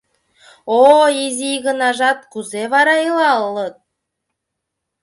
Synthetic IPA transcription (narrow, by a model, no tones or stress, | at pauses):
oizʲiɣə̆nɑʒɑt̪̚kuzeβɑɾɑilɑlˠːɤt̪̚